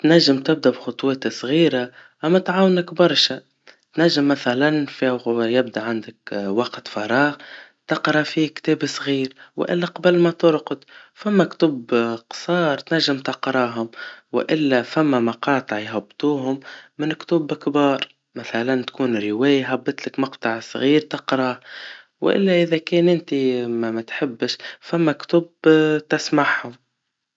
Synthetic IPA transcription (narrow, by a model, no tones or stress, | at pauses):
t̪naʒːɪmt̪ɪb̚d̪abxʊt̪ˤweːt̪sˤɣiːɾaʔamːat̪ʕaːwnakbɑɾˤʃa | t̪naʒːɪmːaθalanfijɪbd̪aʕand̪akwaqt̪fɑɾˤɑːɣt̪ɑqɾˤɑfikt̪eːbsˤɣiːɾw̰ʔɪ̰lːaqɑblmat̪ʊɾqʊd̪famːakt̪uːbqsˤɑːɾˤt̪naʒːɪmt̪ɑqɾˤɑɦʊmwɪ̰ʔɪlːæfamːamɑqɑːt̪ˤɨʕjɦabːt̪ˤuːɦʊmːɪnkt̪ubkbɑːɾˤ | maθalant̪kuːnɾɪwɛːjaɦabːɨt̪lɪkmɑqt̪ˤɑʕsˤɣiːɾt̪ɑqɾˤɑ | w̰ʔɪ̰lːaʔɪðakɛːnʔɪnt̪imamæt̪ħɪbːɪʃfamːakt̪ʊbt̪ɪsmaħhʊm